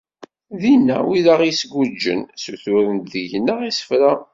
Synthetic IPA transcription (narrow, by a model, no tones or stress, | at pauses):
ðinːæ̰wiðaʁisɡud͡ʒːə̰nsuθʊɾənt̪ðəʝnːəʁisə̥fɾa